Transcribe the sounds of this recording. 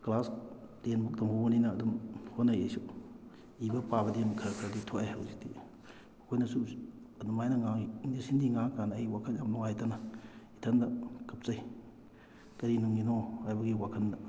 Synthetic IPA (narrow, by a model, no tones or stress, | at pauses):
klas | tenbuk̚tɐmbobɐninɐːdumhotnːɐjḛjsu | ibɐpaβɐdinkʰɐɾkʰɐɾɐditʰoʔajhɐ̰wzik̚di | ɐkʰojnɐsu | ɐdumajnɐŋanisindiŋaŋkanːjwakʰɐnjamluŋajtɐnɐitʰɐndɐkɐp̚t͡ʃɐj | kɐɾinuŋinohajbɐɡiwakʰɐndɐ